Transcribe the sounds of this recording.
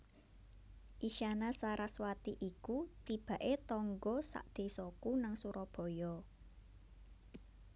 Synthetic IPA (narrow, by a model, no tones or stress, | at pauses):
ʔiʃanasaɾaswat̪iʔikut̪ib̥ä̤ʔet̪ɔŋɡɔsa̰ʔd̪̥e̤sɔkunaŋsuɾɔb̥ɔ̤jɔ